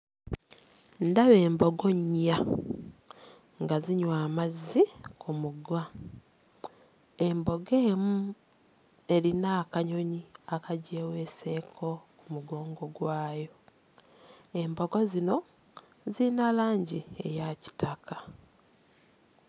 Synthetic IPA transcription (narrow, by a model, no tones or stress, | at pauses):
ndaβeːmbo̞ɡo̞ɲa | ŋɡaziɲwaːmazːikʰumuɡwa | embo̞ɡeːmu | e̞ɾinaːkaɲo̞ɲiakaɟeːwe̞ːse̞ːkʰo̞kumuɡo̞ːŋɡo̞ɡwaːjo̞ | e̞mbo̞ɡo̞zino̞zinalaːɲɟie̞̰jaci̥takʰḁ